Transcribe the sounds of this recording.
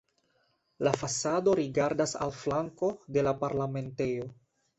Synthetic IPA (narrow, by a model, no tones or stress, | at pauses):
lafasado̞ɾiɡaɾdasa̰lflaŋko̞de̞lapaɾlame̞nte̞jo̞